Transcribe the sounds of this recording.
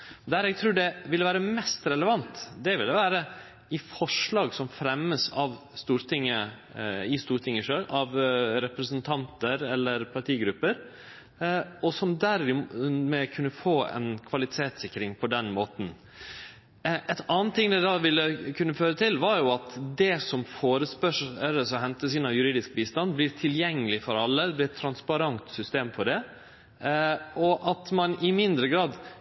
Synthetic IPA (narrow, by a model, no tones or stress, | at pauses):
d̪æɾɛɡ̚t̪ʰɾuːɖɛʋɪlːəʋæːɾəmɛst̪ɾɛləʋɑnt̪d̪ɛʋɪlːəʋæːɾə | ɪfɔʂɭɑːɡsɔmfɾɛmːəsɑʋ | st̪uːɾt̪ʰɪŋːə | ɪst̪uːɾʈ̪ʰɪŋːəʂøːlʔɑʋɾɛpɾəsənt̪ʰɑnt̪əɾɛlːəɾpʰɑʈʰiːɡɾʉpːəɾ | ɔsɔmd̪æɾɪmɛkʰʉnːəfoːɛ̰nkʰʋɑlɪt̪ʰeːt̪sɪkːəɾɪŋpʰɔd̪ɛnmoːt̪n̩ | ʔɛt̪ɑːnt̪ʰːɪŋd̪ɛd̪ɑʋɪlːəkʰʉnːəføːɾət̪ʰɪlʋɑɾjʊɑt̪d̪ɛsɔmfoːɾəspœʂəɾəsɔɦɛnt̪əs̬iːnəjʉɾiːd̪ɪskbiːst̪ɑnblɪːɾt̪ʰɪljɛŋːəlɪfɔɾɑlːəd̪ɛblɪɛt̪ʰːɾɑnspɑɾɑnt̪sʏst̪eːmfɔɖɛ | ɔʔɑt̪mɑnɪmɪnd̪ɾəɡɾɑːd̪